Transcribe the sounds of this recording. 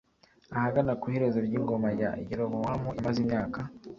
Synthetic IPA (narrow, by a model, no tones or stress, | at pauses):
ahaɡanakuheɾezoɾɟiːŋɡo̞maja̰ḭɟiɾomowamuimazimɲaːka